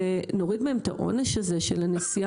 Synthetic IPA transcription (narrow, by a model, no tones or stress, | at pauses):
no̞ʁid̪beemt̪a̰ʔo̞̰neʃhaze̞ʃelanesia